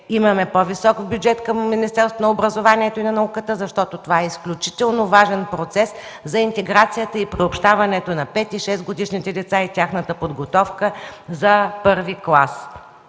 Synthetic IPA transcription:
imɐmɛpovisɔkbjud͡ʒɛt̪kəmːinist̪ɛɾst̪vonɐobɾəzovaniɛt̪oinɐnɐukət̪əzɐʃt̪ɔt̪ot̪ovaɛisklʲut͡ʃi̥t̪ɛlˠnovaʒɛnpɾot̪sɛs | zɐint̪ɛɡɾat̪sijət̪əipɾiopʃt̪avɐnɛt̪onɐpɛt̪iʃɛsɡod̪iʃnit̪ɛd̪ɛt̪sait̪ʲjaxnət̪əpod̪ɡot̪ɔfkəzɐpɤɾviklˠas

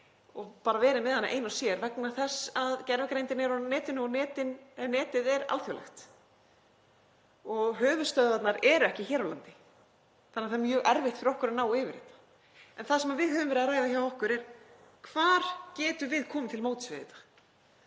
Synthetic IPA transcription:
ɔɣpaːɾavɛːɾɪmɛðhanːaʔḛjnasjɛɾvɛknaθɛsːaðcɛɾvɛkɾejnt̪ɪnɛɾɔnɛːt̪ɪnʏɔnɛːt̪ɪnɛnɛːt̪ɪðɛɾa̰lθjœwlɛ̰xt̪ | ɔɣɦœːvʏst̪œðvat̪naɾɛɾɛhcɪçɛːɾawlant̪ɪ̥ | θanːaɾθaɾmjœːɣʔɛɾvɪht̪fɪɾɔhkʏɾanaːwɪːvɪɾɪːt̪ḁ | ɛnθasɛmavɪðhœːvʏmvɛɾɪðaɾaːjðaçawɔhkʏɾɛɾ̥ | kʰvaːɾ̥cɛːt̪ʏvɪðkʰɔːmɪt̪ʰɪlmoːwt̪ʏsvɪðɪt̪ḁ

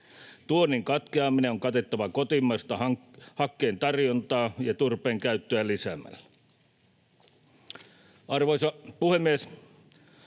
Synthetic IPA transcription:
t̪uonːiŋkɑt̪keɑmineoŋkɑt̪et̪ːɑʋɑkot̪imːɑst̪ɑhɑhɑkːeːnt̪ɑrjont̪ɑːjɑt̪urpeːŋkæyt̪ːøælisæmæ̰lːæ | ʔɑrʋoisɑpuhemːies

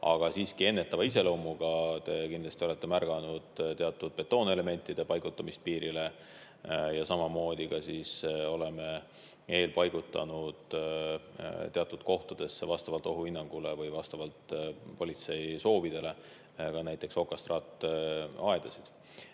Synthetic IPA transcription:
ɑ̰ɡ̥ɑsiːskie̞nːe̞t̪ːˑɑvɑis̬e̞lɤwmːuɡ̥ɑt̪e̞kind̪lɑst̪io̞le̞t̪ːe̞mærɡ̥ɑnud̪̥t̪e̞ɑt̪ːˑud̪̥̚pe̞t̪ːˑo̞ːne̞le̞me̞nʲt̪ːˑid̪̥e̞pɑjɡut̪ːˑɑmispiːɾile̞ | jɑsɑmɑmo̞ːd̪̥ʲikɑsiso̞le̞me̞ | e̞ːlpɑjɡ̥ut̪ːˑɑ̰nud̪̥ | t̪e̞ɑt̪ːˑud̪̥ko̞ht̪ud̪̥e̞sːevɑst̪ɑvɑlt̪ːˑo̞ɦuinːɑŋɡ̥ule̞vɯjvɑst̪ɑvɑlt̪po̞lʲit̪se̞jso̞ːvid̪̥e̞le̞ | kɑnæjt̪ːˑe̞kso̞kːˑɑst̪rɑːt̪ːˑɑed̪̥ɑsid̪̥

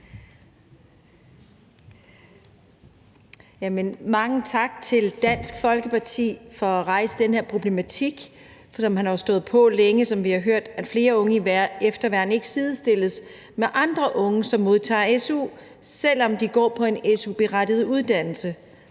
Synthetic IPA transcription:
jæmənmɑ̈ŋət͡sʰɑ̈ɡ̥̚t͡sʰe̝ld̥æn̰sɡ̥fɒ̽lɡ̥əpʰɑ̈t͡sʰḭːfɒ̽æʁɑ̈ɪsəd̥enheɐ̰pʰʁo̝b̥le̝mæt͡sʰiɡ̥ | sɒ̽mhænhɑʊsd̥ɔ̽ːð̩ˠpʰɒ̽leŋəsɒ̽mʋihɑ̈ɦøɐ̰d̥æ̥fle̝ːɐɔ̽ŋəiefd̥ɐʋæɐ̰n̩e̝ɡ̥əsiːð̞ˠsd̥e̝lðs | meʔɑ̈nd̥ʁɐʔɔ̽ŋəsɒ̽mːo̝ð̞ˠt͡sʰɑ̰̈ːesṵː | sel̰ɒ̽md̥iɡ̥ɒ̰ːpʰɒ̽e̝nesub̥e̝ʁad̥ið̞̩ˠuð̞ˠd̥æn̰l̩sə

